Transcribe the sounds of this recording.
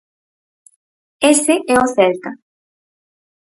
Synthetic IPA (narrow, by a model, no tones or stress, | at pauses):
eseʔeoθelt̪a